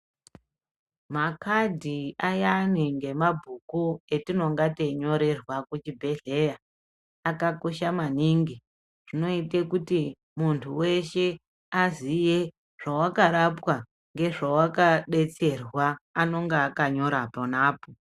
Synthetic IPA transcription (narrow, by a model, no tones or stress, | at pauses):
makadʱiajaniŋɡe̞mabʱukue̞tino̞ŋɡateɲo̞ɾe̞rwakut͡ʃibʱe̞ɮe̞jaː | kako̞ʃamaniŋɡi | ʐ̥ino̞itekuti | muntʰuwe̞ʃe̞ | azije̞ | ʐ̥awakaɾapwa | ŋɡe̞ʐawakaɗe̞t͡se̞rwaːno̞ŋɡeakaɲo̞ɾaponaːpo